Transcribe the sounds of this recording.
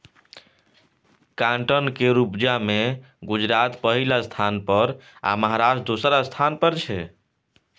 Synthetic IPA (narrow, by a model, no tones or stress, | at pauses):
kãɳʈənkeɾupd͡ʒame | ɡud͡ʒɾat̪pəɦilast̪ʰanpəɾa̰məɦaɾasʈd̪osɾast̪ʰanpəɾt͡ʃʰɛ